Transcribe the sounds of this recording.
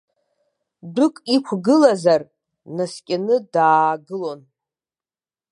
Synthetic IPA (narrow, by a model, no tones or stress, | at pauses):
dɨkʷʼikʷʰɡɨlazar | naskʲʼanɨdaːɡɨlon